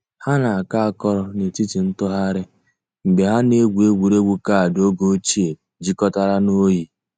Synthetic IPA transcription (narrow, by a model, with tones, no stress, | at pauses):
ha˦na˨a˨ka˦a˦kɔ˦ɾɔ˦ne˨ti˦ti˨n̩˦tɔ˦ɦa˦ɾɪ˦ | ŋ͡m̩˨ɡ͡be˨ɦa˦ne˦ɡʷu˨e˦ɡʷu˨ɾe˦ɡʷu˦ka˦˨do˦ɡo˦t͡ʃi˦e˨ | d͡ʒi˦kɔ˦ta˦ɾa˦no˦ji˦